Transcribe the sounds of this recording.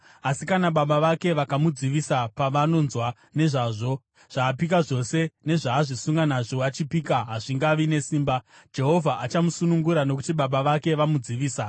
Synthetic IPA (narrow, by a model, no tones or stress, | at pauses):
asikanaɓaɓaʋake̞ʋakamud͡ziʋisapaʋano̞nzwa | ne̞ʐaːʐo̞ | ʐ̥aːp̬ikaʐo̞se̞ne̞ʐaːʐisuŋɡanaʐo̞ʋat͡ʃipiːkaɦaʐiŋɡaʋine̞siːmba | d͡ʒe̞ɦo̞vʱaʔat͡ʃamusunuŋɡuɾano̞kutiɓaɓaʋake̞ʋamud͡ziʋiːsa